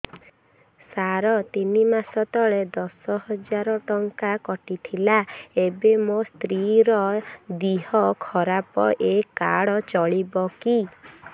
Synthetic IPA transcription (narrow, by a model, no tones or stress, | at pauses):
saɾɔt̪inimasɔt̪ɔɭed̪ɔsɔɦɔd͡ʒaɾɔʈɔŋkakɔʈit̪ʰilaebemost̪ɾiɾɔd̪iɦɔkʰɔɾapɔ̰ʔekaɽɔt͡ʃɔɭibɔki